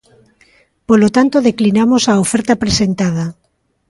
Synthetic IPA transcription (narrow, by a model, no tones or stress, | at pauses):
polot̪ant̪oðeklinamosaofɛɾt̪apɾesent̪að̞a